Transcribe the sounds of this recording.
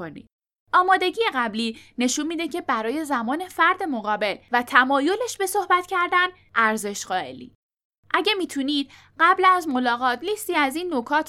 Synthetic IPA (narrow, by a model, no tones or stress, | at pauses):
onḭ̥ | ʔɒːmɒːd̪e̞ɟiːjeɣæbliːne̞ʃunmiːd̪e̞cʰe̞bæɾɒːje̞zæmɒːne̞fæɾd̪e̞moɣɒːbe̞lvæt̪ʰæmɒːjo̞le̞ʃbe̞so̞hbæt̪ʰcʰæɾd̪æn | ʔæɾze̞ʃɢɒːe̞̰lḭː | ʔæɟe̞miːt̪ʰuniːd̪̥ | ɢæblæzmo̞lɒːɣɒːt̪ʰliːst̪iːæziːnːo̞kʰɒːt̪ʰ